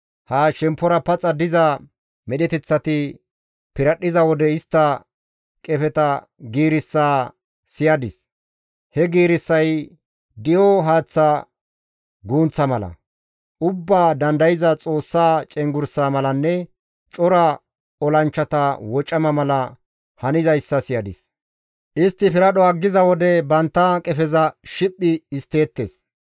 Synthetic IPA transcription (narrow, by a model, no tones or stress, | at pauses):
haːʃɛmpːɔɾɐpɐt͡sʼɐd̪ɪzɐ | mɛɗɛt̪ɛt͡sːɐt̪ɪ | pɪɾɐɗːɪzɐwɔd̪ɛɪst̪ːɐ | kʼɛfɛt̪ɐ | ɡiːɾɪsːaː | sɪjɐd̪ɪs | hɛɡiːɾɪsːɐj | d̪ɪjɔɦaːt͡sːɐ | ɡuːnt͡sːɐmɐlɐ̰ | ʔʊbːaːd̪ɐnd̪ɐjɪzɐt͡sʼo̞ːsːaːt͡ʃʼɛŋɡʊɾsaːmɐlɐnːɛ | t͡ʃʼɔɾɐ | ɔlɐnt͡ʃːɐt̪ɐwɔt͡ʃʼːɐmɐmɐlɐ | hɐnɪzɐjsːɐsɪjɐd̪ɪs | ʔɪst̪ːɪfɪɾɐɗɔɐɡːɪzɐwɔd̪ɛbɐnt̪ːɐkʼɛfɛzɐʃɪpʼːɪːst̪ːe̞ːt̪ːes